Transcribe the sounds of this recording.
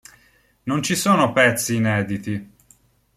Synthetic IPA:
nont͡ʃisoːnopɛt̪sːiːnɛːd̪it̪i

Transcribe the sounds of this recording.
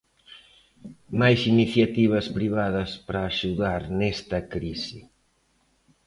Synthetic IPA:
majsiniθjat̪iβɐspɾiβaðɐspɾaːʃuðaɾnɛst̪ɐkɾisi

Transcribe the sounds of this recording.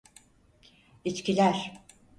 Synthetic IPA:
it͡ʃcilʲæɾ̥

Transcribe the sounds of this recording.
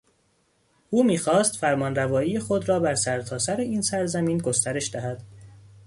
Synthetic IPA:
ʔuːmiːxɒːst̪fæɾmɒːnrævɒːijexo̞d̪ɾɒːbæɾsæɾt̪ʰɒːsæɾeiːnsæɾzæmiːnɡo̞st̪æɾe̞ʃd̪æhæd̪̥

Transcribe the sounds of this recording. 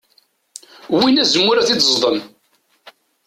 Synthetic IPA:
winæzəmːʊɾæθit͡s̪ːzˤðˤən

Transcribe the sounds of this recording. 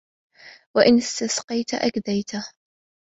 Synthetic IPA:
waʔɪnɪst̪asqɑjt̪aʔa̰kd̪ajt̪a

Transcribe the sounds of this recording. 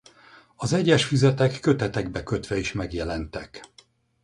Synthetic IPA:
ɒzɛɟːɛʃfyzɛt̪ɛkːø̞t̪ɛt̪ɛɡbɛkø̞t̪ʋɛiʃmɛɡjɛlɛnt̪ɛk

